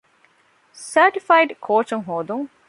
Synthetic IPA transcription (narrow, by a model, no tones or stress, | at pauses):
səːʈifajɖkʰoːt͡ʃɐŋɦoːd̪uŋ